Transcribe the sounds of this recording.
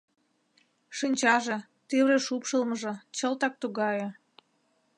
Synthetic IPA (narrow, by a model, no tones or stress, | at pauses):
ʃinʲt͡ɕɑʒĕ | t̪eβɾeʃupʃəlməʒɤ̆t͡ɕəlt̪ɑk̚t̪uɣɑje